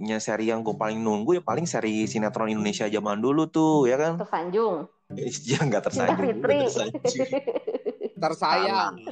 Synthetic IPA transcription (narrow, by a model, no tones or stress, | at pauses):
ɲasɛɾijaŋɡuapalɪŋnuŋɡujapalɪŋsɛɾisinat̪ɾɔnindonesiad͡ʒamandulut̪ʊjakant̪ərsaɲd͡ʒʊŋ | isd͡ʒaŋɡat̪ərsa̰afit̪ɾi | t̪ərsaja